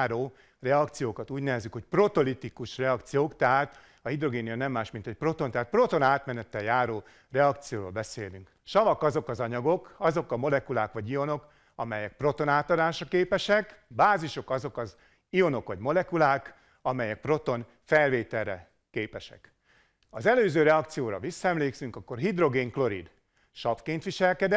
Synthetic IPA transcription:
ɾoː | rɛɒkt̪sijoːkɒt̪uːɟnɛvɛzykho̞cpro̞t̪olit̪ikuʃrɛɒkt̪sijoːkt̪ɛɦaːt̪ | ɒhid̪ro̞ɡeːnijɒnɛmːaːʃmint̪ɛc̚pro̞t̪o̞nt̪ɛɦat̪̚pro̞t̪onaːt̪mɛnɛt̪ːɛjjaːɾoː | rɛɒkt̪sijoːɾoːlbɛseːlyŋk | ʃɒvɒkɒzo̞kɒzɒɲɒɡo̞kɒzo̞kɒmo̞lɛkulaːkʋɒɟio̞no̞k | ɒmɛjɛk̚pro̞t̪o̞naːt̪ɒd̪aːʃɒkeːpɛʃɛkbaːziʃo̞kɒzo̞kɒz | io̞no̞kʋɒɟmo̞lɛkulaːk | ɒmɛjɛk̚pro̞t̪o̞n | fɛlveːt̪ɛlːɛ̰ | keːpɛʃɛ̰k | ɒzɛløːzøːɾɛɒkt̪sijoːɾɒ̰visːɒɛmleːksyŋkɒkːo̞rɦid̪ro̞ɡeːŋklo̞ɾḭd̪ | ʃɒpfkeːnt̪ʋiʃɛlkɛd̪ɛ

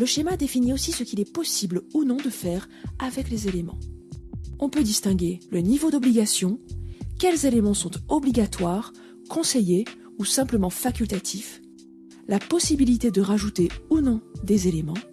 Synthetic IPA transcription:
ləʃemad̪efiniosisəkʲilɛpɔsiblunɔ̃d̪əfɛʁ | avɛklezelemɑ̰̃ | ɔ̃pød̪ist̪ɛ̃ɡʲelənivod̪ɔbliɡasjɔ̃kʲɛlzelemɑ̃sɔ̃t̪ɔbliɡʲat̪waːʁ | kʰɔ̃seje | usɛ̃pləmɑ̃fakʲylt̪at̪ʰif | lapɔsibilit̪ed̪əʁaʒut̪eunɔ̃d̪ezelemɑ̃

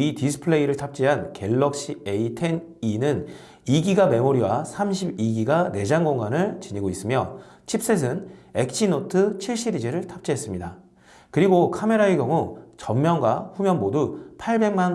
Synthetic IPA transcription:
itisʰɯ̥pʰɯɭe̞iɾɯɭtʰap̚t͡ɕ͈iɦanke̞ɭːʌk̚ɕ͈ieitʰeninɯn | iɡiɡame̞moɾiwasʰamɕʰibiɡiɡane̞d͡ʑaŋɡoŋanɯɭt͡ɕiɲiɡois͈ɯmjʌt͡ɕʰip̚s͈es̬ʰɯne̞k̚t͡ɕʰinotʰɯt͡ɕʰiɭɕ͈ided͡ʑeɾɯɭtʰap̚t͡ɕ͈iɦe̞s͈ɯmɲida | kɯɾiɡokʰame̞ɾaeɡjʌŋut͡ɕʌmmjʌŋɡwaɸumjʌnmodupʰaɭbe̞ŋman

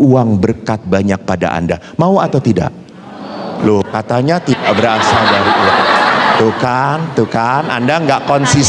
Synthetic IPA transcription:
uaŋbərkat̪̚baɲak̚pada̰ʔa̰nda | mauat̪awt̪ida̰ʔ | lʊhkat̪aɲat̪idaʔbəɾasadaɾiat̪okant̪ukanʔa̰ndaŋɡaʔkɔnsis

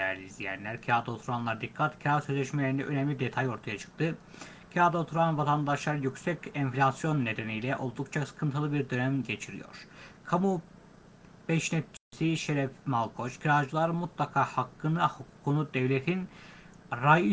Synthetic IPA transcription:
ɛ̰ɾlʲizlʲijæ̰nlʲæɾcʰiaːd̪aot̪ʰuɾanlˠaɾd̪ikʰːat̪cʰiɾaːsø̞zlʲɛʃmelʲeind̪ɛ̰ʔø̞nɛmlʲid̪et̪ʰajo̞ɾt̪ʰajat͡ʃʰɯ̥k̚t̪ʰɯ | cʰaːd̪aot̪ʰuɾanvat̪ʰand̪aʃlˠaɾjycsɛcɛnflʲasjo̞nːe̞d̪enijlʲɛʔo̞lˠd̪ukt͡ʃʰasɯ̥kʰɯnt̪ʰɯlˠɯbiɾd̪ø̞næmɟe̞t͡ʃʰiɾḭjo̞̰ɾ̥kʰamu | b̥ɛʃnɛt̪̚t͡ʃʰisiʃeɾɛfmalˠkʰo̞t͡ʃcʰiɾad͡ʒɯlˠaɾɯmut̪ʰlˠakʰaːhakːɯnɯhukʰu̥kʰunud̪ɛvlʲet̪ʰin | ɾajɯ

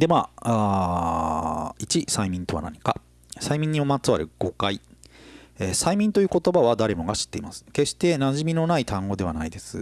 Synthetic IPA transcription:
d̪e̞maːa | it͡ɕisaimʲĩnt̪o̞βa̰na̰ɲ̟ika̰ | saimʲĩɲ̟ːiomat͡sɨβaɾɯ̟ɡ̥o̞kai | eːsaimʲĩnt̪o̞jɯ̟ːko̞t̪o̞baβad̪aɾe̞mo̞ɡaɕi̥t̪ːe̞imasɨ̥ke̞ɕt̪e̞naʑimʲino̞nait̪ʰãŋɡo̞d̪e̞βanaid̪e̞sɨ

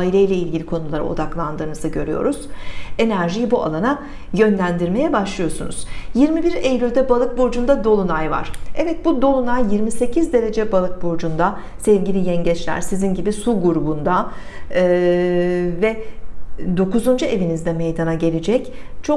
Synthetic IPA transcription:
ailʲejlʲɛilʲɟʲilʲikʰo̞nulˠaɾa̰o̞̰d̪aklˠand̪ɯːnɯzɯɟø̞ɾyjo̞̰ɾuz̥e̞næɾʒijibuʔa̰lˠana | jø̞nlʲænd̪iɾme̞jɛbaʃlˠɯjo̞sunṵz̥jiɾmibiɾejlʲylʲd̪ɛbalˠɯk̚bo̞d͡ʒund̪ad̪o̞lˠunajva̰ɾ̥ɛvɛt̪̚bud̪o̞lˠunajːiɾmise̞cʰizd̪e̞ɾe̞d͡ʒɛbalˠɯk̚bo̞d͡ʒund̪a | sɛvɟilʲijɛɲɟɛt͡ʃlʲæ̰ɾ̥sizinɟibisuɡuɾubund̪a | vɛ | d̪o̞kuzund͡ʒue̞vinizd̪ɛme̞jd̪anaɟe̞lʲed͡ʒɛct͡ʃʰo

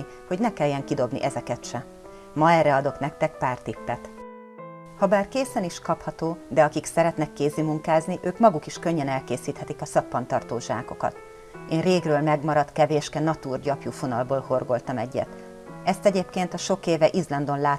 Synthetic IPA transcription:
i | ho̞ɟnɛkɛlːɛŋkid̪o̞bnḭʔɛzɛkɛt̪ʃɛ | mɒɛrːɛɒd̪o̞knɛk̚t̪ɛk̚paːrt̪ipːɛt̪ | hɒbaːrkeːsɛniʃkɒphɒt̪oːd̪ɛɒkiksɛɾɛt̪nɛkːeːzimuŋkaːzniʔøːkmɒɡukiʃkøɲːɛnɛlkeːsiːt̪hɛt̪ikɒsɒpːɒnt̪ɒrt̪oːʒa̰ːko̞kɒ̰t̪ | eːnreːɡrøːlmɛɡmɒɾɒt̪kɛveːʃkɛnɒt̪uːrɟɒpjufonɒlboːlho̞rɡo̞lt̪ɒmɛɟːɛ̰t̪ | ɛst̪ɛɟeːpkeːnt̪ɒʃo̞keːvɛʔizlɒnd̪o̞nlaː

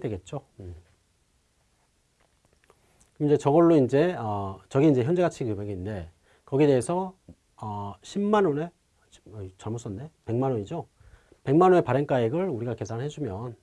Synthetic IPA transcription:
dwe̞ɡe̞t̚t͡ɕ͈o | kɯmid͡ʑet͡ɕʌɡʌɭːoind͡ʑe̞ʌt͡ɕʌɡiind͡ʑe̞çjʌnd͡ʑe̞ɡat͡ɕʰikɯmeɡinde̞ | kʌɡiede̞ːsʰʌ | ʌɕʰimːanone̞ | t͡ɕʌɭmos͈ʌnːe̞pe̞ŋmanoɲid͡ʑo | pe̞ŋmanone̞paɾenk͈aeɡɯɭuɾiɡake̞sʰanɭɦed͡ʑumjʌn

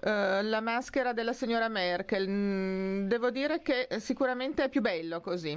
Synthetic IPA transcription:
lamaskeɾad̪elːasiɲːoːɾamɛrk̟el | d̪eːvod̪iːɾekesikuɾament̪eɛpːjubɛlːokozi

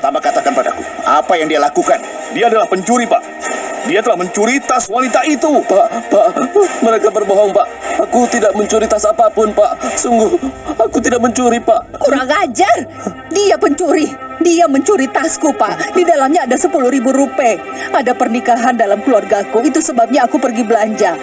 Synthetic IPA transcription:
t̪amakat̪akanpada̰kṵa̰pajaŋdialakukan | diaːdalahpəɲt͡ʃuɾipa̰ʔ | diat̪əlahməɲt͡ʃuɾit̪aswanit̪ait̪upaʔpaʔməɾekabərbɔɦɔŋpaʔakut̪idaʔməɲt͡ʃuɾit̪asapapʊnpaʔsuŋɡʊhakut̪̬idaʔ̚məɲt͡ʃuɾipaʔkuɾaŋad͡ʒar | diapəɲt͡ʃuɾidiaməɲt͡ʃuɾit̪askupaʔdidalamɲaːdasəpuluhɾibuɾupɛadapərnikaɦandalamkəluarɡakoit̪usəbap̚ɲaːkupərɡibəlaɲd͡ʒa

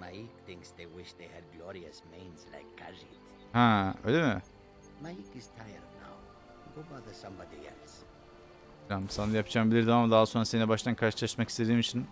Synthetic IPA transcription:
majik̚θɪ̃ŋksðewɪʃðehɛd̚ɡlɔɾiəsmẽɪ̃nzla̰ɪkɡʰaɹit | hãø̰ːjlʲemɪ | majikɪz̥tʰajə˞dna̰w | ɡobaðəsʌ̃mbɔdiɛ̰ls | amsanajapd͡ʒʰaːmbilʲiɾd̪eamd̪aːaso̞nɾasenɛbaʃt̪ʰankʰaɾʃɯlˠaʃmakist̪ʰe̞d̪iːmit͡ʃʰin

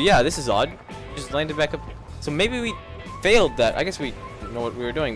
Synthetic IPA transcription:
jæðɪsɨzɑ̰d̚ | d͡ʒʌstˡlãɪ̃ndɨd̚bækʌp̚ | soʊmeɪbiwi | feɪlˠd̪̚ðæta̰ɪɡɛswinoʊwʌt̚wiə˞dʉɪ̃ŋ

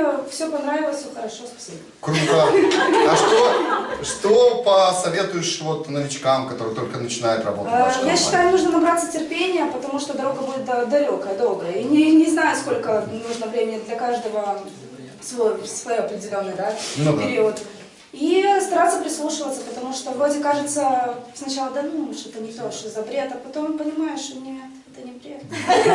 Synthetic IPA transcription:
fsʲopɐnɾavʲɪlˠəsʲsʲoxəɾɐʂo̞spɐ̥sʲibəkka | ʂoʂt̪opəsɐvʲe̞t̪ʊjɪʂvot̪nəvʲɪt͡ɕkamkɐt̪oɾɨjt̪olʲkənət͡ɕɪnajɪt̪rɐ̰boəajaɕːɪt̪ajʊnuʐnənɐbɾat̪sətʲɪrpʲenʲɪjəpət̪ɐmuʂt̪od̪ɐɾoɡəbudʲɪt̪d̪ɐlʲo̞kəjəd̪olˠɡəjəinʲɪnʲɪznajʊsko̞lʲkənuʐnəvɾʲemʲɪnʲɪd̪lʲɐkaʐd̪əvə | svojsvɐjoɐpɾʲɪdʲɪlʲo̞nːɨjd̪anpɪɾʲiət̪ | ist̪ɐɾat̪sːəpɾʲɪslˠuʂɨvət̪səpət̪ɐmuʂt̪o̞vɾo̞dʲɪkaʐɨt̪səsnɐt͡ɕalˠəd̪ad̪mʂɛt̪ənʲɪt̪oʂt̪ozɐpɾʲet̪ɐpɐt̪o̞mpənʲɪmajɪʂt̪onʲet̪ɛt̪ənʲɪpɾʲɪexn

